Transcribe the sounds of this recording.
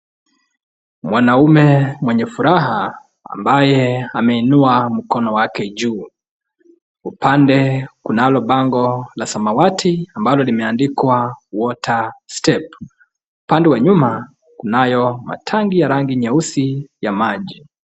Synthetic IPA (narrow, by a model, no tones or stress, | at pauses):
mwanaumɛmwɛɲɛfuɾaɦa | a̰mbajɛamɛinuam̩kɔnɔwakɛʄuː | upʰandɛkunalɔɓaŋɡɔlasamawatʰiambalɔlimɛandikwawɔtʰastɛp | upandɛwaɲuma | kunajɔma̰tʰaŋɡijaɾaŋɡiɲɛusijamaʄi